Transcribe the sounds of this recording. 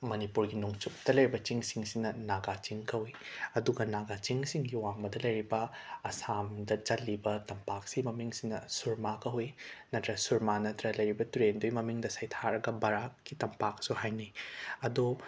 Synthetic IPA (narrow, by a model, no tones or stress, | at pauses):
mɐnipuɾɡinuŋt͡ʃuk̚tɐlɐjɾibɐt͡ʃiŋsiŋsinɐnaɡat͡ʃiŋkɐwiɐduɡɐnaɡat͡ʃiŋsiŋɡiwaŋbɐdɐlɐjɾibɐːsamdɐt͡ʃɐlːibɐtɐmpak̚simɐmiŋsinɐsuɾmakɐwinɐtɾɐsuɾmanɐtɾɐlɐjɾibɐtuɾendojmɐmiŋdɐsɐjtʰaɾɐɡɐbɐɾakːitɐmpak̚suɦajniɐdo